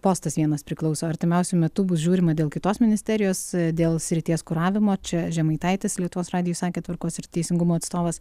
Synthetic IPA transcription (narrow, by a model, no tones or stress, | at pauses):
poːst̪ɐsʋʲiɛnɐspʲɾʲɪklˠɐʊsoːɐɾʲt̪ʲɪmʲɛʊsʲʊmʲɛt̪ʊbʊsʒʲuːɾʲɪmɐd̪ʲeːlˠkʲɪt̪oːsmʲɪnʲɪsʲt̪ʲɛɾʲɪjoːsd̪ʲeːlˠsʲɾʲɪt̪ʲiɛskʊɾɑːʋʲɪmoːt͡ʃʲɛʒʲɛmɐɪt̪ɐɪt̪ʲɪslʲiɛt̪ʊʋoːsrɑːd̪ʲɪjuːsɑːkʲeːt̪ʋɐɾkoːsɪɾt̪ʲɛɪsʲɪŋɡʊmoːɐt̪st̪oːʋɐs